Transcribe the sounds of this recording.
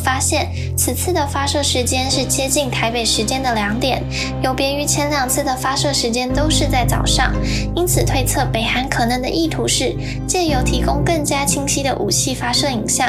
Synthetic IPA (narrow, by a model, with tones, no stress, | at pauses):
fa˥ɕjɛ˥˩n | t͡sʰɹ̩˨˩t͡sʰɹ̩˥˩d̪ə˩fa˥ʂɤ˥˩ʂɻ̩˧˥t͡ɕjɛ˥nʂɻ̩˥˩t͡ɕjɛ˥t͡ɕi˥˩ŋt̪ʰa˧˥ɪpe˨˩ɪʂɻ̩˧˥t͡ɕjɛ˥nd̪ə˨ljɑ˧˥ŋt̪jɛ˨˩˦n | jo˧˥ʊpjɛ˧˥y˧˥t͡ɕʰjɛ˧˥nljɑ˨˩ŋt͡sʰɹ̩˥˩d̪ə˩fa˥ʂɤ˥˩ʂɻ̩˧˥t͡ɕjɛ˥nt̪o˥ʊʂɻ̩˥˧t͡sa˥˩ɪt͡sɑ̰˨˩ʊʂɑ̰˥˩ŋ | i˥nt͡sʰɹ̩˨˩t̪ʰwe˥˧ɪt͡sʰɤ˥˩pe˨˩ɪxa˧˥nkʰɤ˨˩nɤ˧˥ŋd̪ə̰˧ʔi˥˩t̪ʰu˧˥ʂɻ̩˥˩ | t͡ɕjɛ˥˩jo˧˩ʊt̪ʰi˧˥kʊ˥ŋkɤ˥˩ŋt͡ɕja˥t͡ɕʰi˥ŋɕʰi˥d̪ə˨ʔu˨˩t͡ɕʰi˥˩fa˥ʂɤ˥˩i˨˩ŋɕjɑ˥˩